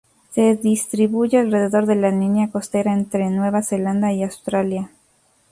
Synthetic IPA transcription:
se̞ðist̪ɾiβuʝealre̞ðe̞ðo̞ɾðe̞lalinjako̞st̪e̞ɾaent̪ɾenwe̞βase̞land̪aiawst̪ɾalja

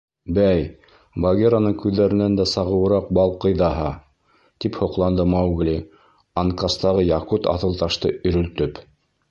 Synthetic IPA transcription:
bæj | bɐɡʲeɾanɤɴkʉðːæɾɘ̆nænd̪æsɑʁɤ̆wɤ̆ɾɑq̚bɑlˠqɤ̆jðɑɦɑ | t̪iphŏqlˠɑnd̪ɤmɑwɡlʲi | ɑŋkɑst̪ɑʁɤjɑqut̪ɑ̰θɤ̆lˠt̪ɑʃt̪ɤɵ̆ɾɵ̆lt̪ɵp

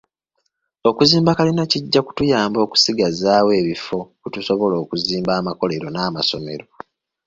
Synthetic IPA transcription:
okuziːmbakalinaciɟːaku̥tujaːmbo̞ːku̥siɡazaːwe̞ːβifo̞kutuso̞βo̞lo̞ːkuziːmbaːmako̞leɾo̞naːmaso̞me̞̰ɾo

